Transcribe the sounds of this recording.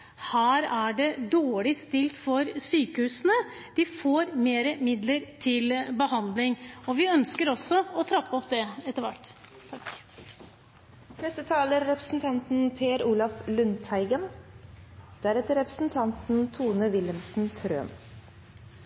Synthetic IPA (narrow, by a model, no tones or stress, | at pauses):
hæːɾæɖɛd̪oːɭɪst̪ɪlt̪fɔɾsyːkəhʉːsənə | d̪̥ɪfoːɾmeːɾəmɪd̪ləɾt̪ʰɪlbəhɑnd̪lɪŋɔʋɪœnskəɾɔsɔɔt̪ʰɾɑpːɔpd̪ɛɛt̪ːəɾʋæ̰ʈː | nɛst̪ət̪ʰɑːləɾːɛpɾəsn̩t̪ʰɑnt̪n̩pʰeːɾuːlɑflʉnt̪hæɪɡən | d̪̥æɾɛt̪əɾɛpɾə̥sn̩t̪ʰɑnt̪n̩t̪ʰuːnəʋɪləmsn̩t̪ʰɾø̰ːn